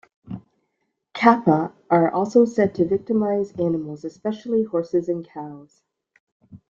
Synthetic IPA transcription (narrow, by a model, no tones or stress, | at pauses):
kʰæpəʔə˞ʔɔlˠsoʊsɛtʰɨvɪk̚tɨmaɪzænəml̩ˠzɨspɛʃl̩ˠihɔɹsɨzɨ̃nkʰaʊz̥